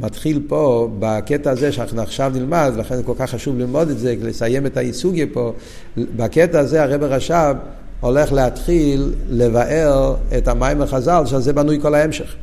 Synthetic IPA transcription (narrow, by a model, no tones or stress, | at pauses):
matχilpobakɛtaːzeʃanaχnuaχʃavnilmadlaχenzkolkaχːaʃuvlilmodɛtzeləsajemɛtaisuɡepo | bakɛtaːzeaʁejbeʁaʃav | oleχleatχilːevaʔeʁetamajmaχazalʃalzebanujkolaemʃeχ